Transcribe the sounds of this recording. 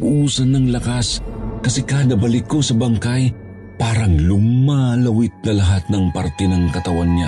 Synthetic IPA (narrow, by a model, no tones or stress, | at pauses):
ʔusɐnɐŋlɐkaskɐsɛkaːd̪ɐbɐlɪkːosɐbaŋkaj | paːɾɐŋlumːalɐwɪt̪̚nɐlɐɦat̪̚nɐŋpaɾt̪ɛnɐŋkɐt̪ɐwanɲa